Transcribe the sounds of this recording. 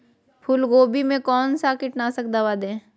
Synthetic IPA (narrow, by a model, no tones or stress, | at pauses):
pʰʊlɡoːbimẽkɔːnsakɪʈnasəkd̪aʋad̪ẽː